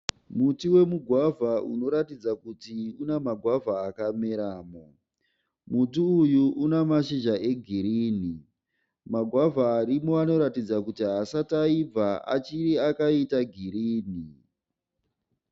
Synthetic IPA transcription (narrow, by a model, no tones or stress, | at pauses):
mutiwe̞muɡʱwavʱaṵno̞ɾatid͡zakutiunemaɡʱwavʱaːkameɾaːmo | mutiːjuʔunemaʃiʒaʔe̞ɡʱiɾiːni | maɡʱwavʱaːɾimoano̞ɾatid͡zakutiɦasataib͡vaʔa̰t͡ʃiɾiakaitaɡʱiɾiːni